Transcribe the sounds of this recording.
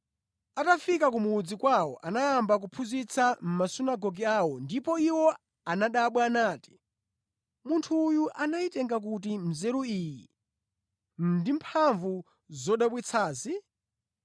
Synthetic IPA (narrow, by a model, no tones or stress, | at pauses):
atafikakumuːd͡zikwawɔ̰ʔanaːmbak̬upʰuzit͡sʰam̩masunaɡɔɡiawɔndipɔiwɔ | anaɗaɓwaːnaːti̥ | muntʰuːjuʔanaitɛŋɡak̬ut̬im̩zɛɾuiːjḭ | m̩ndimpʰaɱvu | zɔɗaɓwit͡sʰaːzi